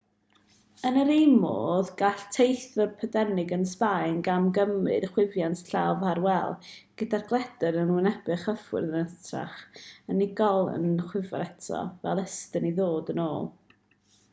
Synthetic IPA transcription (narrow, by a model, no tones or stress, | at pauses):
ənəɾejmo̰ðɡaɬtʰejθvɔrpʰədɛnɪɡənspajnɡamɡəmɨ̰dχwɪvjantʰɬavaɾwɛlˠɡ̥ədarɡlˠɛdəɾənʊnɛb̥ɨχəfwɪ̰rðənətʰra̰χənɪɡɔlˠə̰nχwɪvɔ̰ɾɛtʰɔ̰vɛlˠəstəniðoːdənoːlˠ